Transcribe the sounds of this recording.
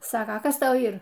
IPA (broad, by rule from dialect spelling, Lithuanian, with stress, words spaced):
ˈsɑːkɐ ˈkɐs ˈtɐʊ ˈiːr